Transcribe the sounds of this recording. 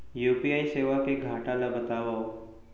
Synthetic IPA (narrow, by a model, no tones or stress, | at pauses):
jupiaiseʋakeɡʱaʈalabət̪aʋao